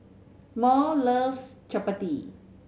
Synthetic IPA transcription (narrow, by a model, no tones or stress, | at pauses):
mɔləfst͡ʃəpəti